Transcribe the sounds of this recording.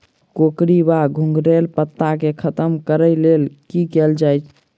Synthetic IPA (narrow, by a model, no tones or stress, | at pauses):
kokɾibaɡʱũŋɡɾelpət̪ːakekʰət̪əmkəɾəjlelkikeld͡ʒajt͡ʃʰ